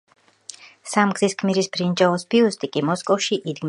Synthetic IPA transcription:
samɡziskʰmiɾisbɾind͡ʒaɔsbiust̪ʼikʼimɔskʼɔfʃiʔid̪ɡm

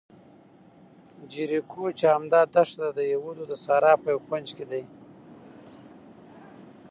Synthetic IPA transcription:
d͡ʒiɾikʰut͡ʃaamd̪ɑːd̪aʂd̪ad̪əjewud̪od̪əsaːɾɑpəjawkand͡ʒked̪aj

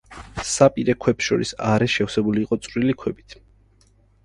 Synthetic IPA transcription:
sapʼiɾɛkʰwɛpsʃɔɾisaɾɛʃɛfsɛbuliːqʼɔt̪sʼɾilikʰwɛbit̪ʰ

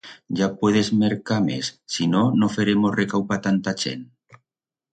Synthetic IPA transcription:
ʒapweð̞ezmeɾkamḛsːinonofeɾemozrekawpat̪ant̪at͡ʃḛn

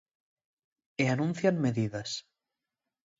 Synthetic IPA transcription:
eanũnθjanmeðiðas

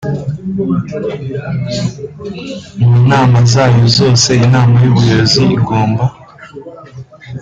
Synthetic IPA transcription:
munaːmazaːjozo̞ːse̞inaːmajuβujoziːɡoːmba

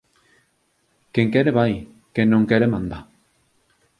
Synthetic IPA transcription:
keŋkeɾeβaj | kenːõŋkeɾemãnd̪a

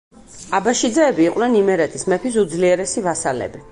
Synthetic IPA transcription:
abaʃid̪zɛːbiːqʼwnɛnimɛɾɛt̪ʰismɛpʰis̬ud̪zliɛɾɛsivasalɛ̰bi

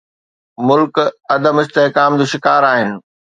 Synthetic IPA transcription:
mʊlkɐd̪əmɪst̪eɦkaːmd͡ʑoːʃɪkaːɾaːɦɪnɪ̆

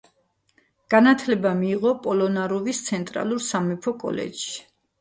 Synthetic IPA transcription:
ɡ̥anat̪ʰlɛbamiːʁɔpʼɔlɔnaɾɔvist̪sʰɛnt̪ʼɾa̰lˠuɾsamɛpʰɔkʼɔ̰lɛ̰dʃi̥

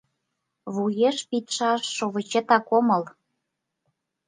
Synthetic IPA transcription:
βujeʃpit̪ʃɑʃːoβə̆t͡ɕĕt̪ɑkomɤ̆l

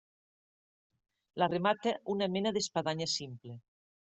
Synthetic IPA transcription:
laremat̪eʔunamenaðespaðaɲasimple

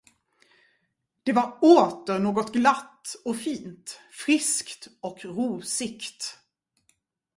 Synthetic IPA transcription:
d̪̥ɛvaɾoːt̪əɾɳoːɡɔt̪ɡlat̪ːɔfiːnt̪fɾɪskt̪ɔkɾuːsɪkt̪

